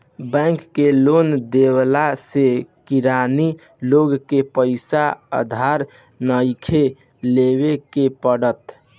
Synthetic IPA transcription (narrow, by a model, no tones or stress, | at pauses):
bɛ̃ŋkːelond̪ewlasekiɾani | loɡkepəɪsaə̰d̪ʱaɾ | nəjkʰe | leβekepəɽət̪